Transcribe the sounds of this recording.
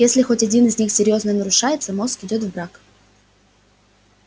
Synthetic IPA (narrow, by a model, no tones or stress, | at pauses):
jesʲlʲɪxo̞tʲɐdʲinɪzʲnʲixsʲɪɾʲjo̞znəjənəɾʊʂajɪt̪səmo̞skɪdʲo̞t̪vbɾak